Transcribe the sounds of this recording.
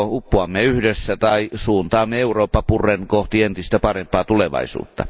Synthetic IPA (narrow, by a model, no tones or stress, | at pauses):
hupːuɑmːeyhdesːæt̪ɑisuːnt̪ɑːmːeeuroːpːɑpurːˑenkoht̪ient̪ist̪æpɑrempˑɑːt̪uleʋɑ̰isṵːt̪ːɑ̰